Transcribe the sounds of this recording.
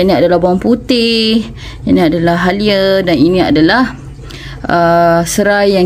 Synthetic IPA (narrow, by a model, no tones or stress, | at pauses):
inĩadalahbaaŋput̪ɪh | inĩadalaɦɦaliədaninĩa̰dalah | əsəɾaja